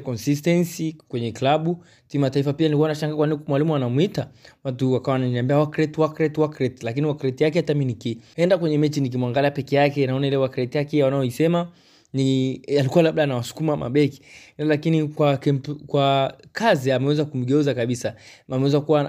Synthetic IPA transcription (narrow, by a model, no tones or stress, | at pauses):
kɔnsis̬tɛnsikwɛɲɛklaɓu | timataifapianilikuanat͡ʃaŋɡakwaninikmwalimuanamuitawatuwakawananiambiawakɾɛtwakɾɛtwakɾɛtlakiniwakɾɛtijak̬ɛhataminikiɛndakwɛɲɛmɛt͡ʃinik̬imwaŋɡaliapɛkɛjakɛnaɔnailɛwakɾɛtijakɛwanajɔisɛma | nialikuwalaɓɗaːnawasu̥kumama̰ɓɛki̥lakinikwakɛkwakaziamɛwɛzakum̩ɡɛuzakaɓisaamɛwɛzakuwa